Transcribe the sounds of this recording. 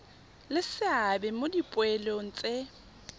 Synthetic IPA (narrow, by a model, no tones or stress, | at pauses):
lɪsɪabɛmodipʼwɛloŋ̩t͡sʼe